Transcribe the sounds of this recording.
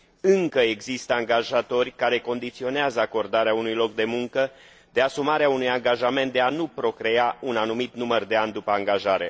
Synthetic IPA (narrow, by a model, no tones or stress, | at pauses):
ɨŋkəe̞ɡzist̪əaŋɡaʒat̪o̞rʲkaɾe̞ko̞nd̪it̪sio̞neazəako̞rd̪aɾeaunujlo̞k̚d̪e̞muŋkə | d̪̥e̞asumaɾeaunujaŋɡaʒame̞nt̪̚d̪eanupɾo̞kɾe̞aunanumit̪numərd̪e̞and̪upəaŋɡaʒaɾe̞